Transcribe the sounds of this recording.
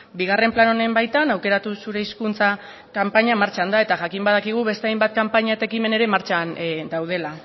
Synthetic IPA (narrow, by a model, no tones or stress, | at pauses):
biɣ̞are̞mplano̞ne̞mbajt̪anawke̞ɾat̪usuɾe̞iskunt͡sa | kampaɲamaɾt͡ʃand̪ae̞t̪aʝakimbað̞akiɣ̞uβe̞st̪eajmbat̪̚kampaɲaet̪e̞kime̞ne̞ɾe̞maɾt͡ʃand̪awð̞e̞la